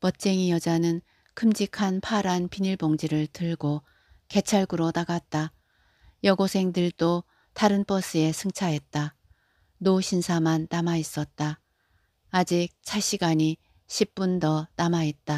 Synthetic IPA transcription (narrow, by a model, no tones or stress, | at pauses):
pʌt̚t͡ɕ͈e̞ŋijʌd͡ʑanɯn | kʰɯmd͡ʑikʰanpʰaɾanpiɲiɭboŋd͡ʑiɾɯɭtɯɭɡo | ke̞t͡ɕʰaɭɡuɾonaɡat̚t͈a | jʌɡosʰe̞ŋdɯɭdo | taɾɯnp͈ʌs͈ʰɯe̞sʰɯŋt͡ɕʰaɦe̞t̚t͈a | noɕʰinsʰamanːamais͈ʌt̚t͈aː | d͡ʑik̚t͡ɕʰaɕʰiɡaɲi | ɕʰip̚p͈undʌnamaɦet̚t͈a